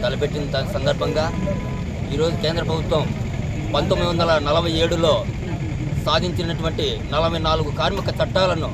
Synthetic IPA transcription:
t̪ɐlɐpeʈːind̪ɐt̪ɐsɐnd̪ɐɾbʱɐŋɡaː | iːɾo̞ːd͡ʒukeːnd̪ɾɐp̬ɾɐbʱut̪wɐm | pɐnt̪omːid̪iʋɐnd̪ɐlɐnɐlɐbʱɐje̞ːɽulo̞ː | saːd̪ʱiɲt͡ʃinɐʈuʋɐɳʈi | nɐlɐbʱɐjnaːluɡukaːɾmikɐt͡ʃɐʈːaːlɐnu

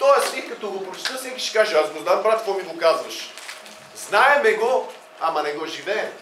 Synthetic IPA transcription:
t̪ɔɛsikɐt̪ɔɡopɾot͡ʃt̪əfsɛkʲi̥ʃɛ̥kaʒəasd̪od̪ambɾat̪kvɔmiɡokazvəʃ | znaɛmɛɡɔ | amɐnɛɡɔʒivɛɛm

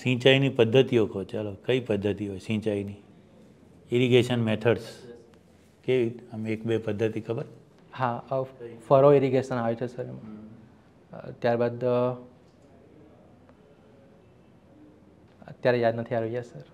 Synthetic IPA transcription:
sĩt͡ʃainipəd̪ʱːət̪iokot͡ʃalokəipəd̪ʱːət̪iɦojsĩt͡ʃaini | iɾiɡeʃənmeʈʰəɖs | keʋiəmeekbepəd̪ʱːət̪ikʰəbəɾ | ha | fəɾoiɾiɡeʃənaʋet͡ʃʰesəɾemã | t̪jaɾbad̪ | ə̰t̪jaɾejad̪nət̪ʰiaʋejasəɾ

